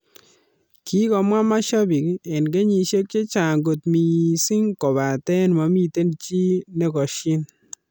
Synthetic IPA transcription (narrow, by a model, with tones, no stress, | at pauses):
ki˨˦kɔ˨mwa˦ma˦ʃa˦bi˨kɛ˨nɡe˦ɲi˨ʃe˦k̚t͡ʃe˦t͡ʃa˨ɡo˨t̪mi˨sɪ˦ŋkɔ˨βa˨tɛ˦nma˨˦mi˦te˦nt͡ʃi˦nɛ˦kɔ˨ʃɪ˦n